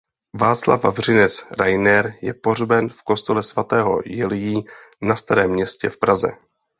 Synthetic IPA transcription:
vaːt̪t͡sla̰vva̰vr̝ɪnɛt͡sɾajnɛɾjɛpo̞rbɛnfko̞st̪olɛsvat̪ɛːɦo̞̰jɛlɪjiː | nast̪aɾɛːmːɲɛscɛfpɾazɛ̰

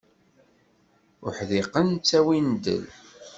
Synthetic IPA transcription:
ʊ̰ħðɪqənt͡sːæwind̪ə̰l

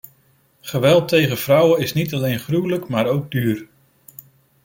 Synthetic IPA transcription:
χəʋɛlˠtejχəv̥rʌwəɪsnitɑlejnχruwləkmaːɾowɡ̚dyːɹ

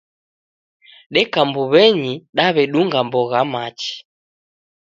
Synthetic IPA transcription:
ɗɛkambuβɛɲiɗaβɛɗuŋɡambɔɣamat͡ʃi̥

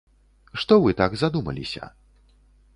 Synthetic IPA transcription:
ʂt̪ɔvɨt̪aɡzad̪umɐ̰lʲḭsʲɐ̰

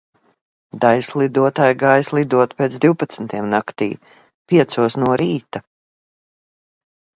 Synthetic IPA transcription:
d̪ajslˠid̪uɔt̪aːjɡaːjslˠid̪uɔt̪peːt̪zd̪iwpat̪snt̪ʰiɛmnakt̪ḭː | pʲiɛt̪suɔsnuɔɾiːt̪a

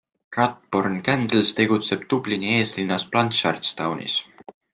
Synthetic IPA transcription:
rɑt̪̚pornkænd̪lst̪e̞ɡ̥ut̪se̞b̥̚t̪ublinie̞ːslinːɑsplɑnt̪ʃɑrt̪st̪ɑwnḭs

